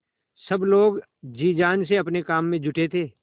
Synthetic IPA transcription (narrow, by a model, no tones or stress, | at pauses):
sɐbloːɡ | d͡ʒiːd͡ʒaːnseɐpnekaːmːẽd͡ʒʱʊʈet̪ʰeː